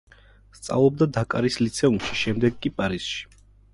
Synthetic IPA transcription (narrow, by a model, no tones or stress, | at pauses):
st̪sʼa̰vlˠɔb̚d̪ad̪akʼaɾislit̪sʰɛumʃi̥ʃɛmd̪ɛɡkʼipʼaɾisʃi̥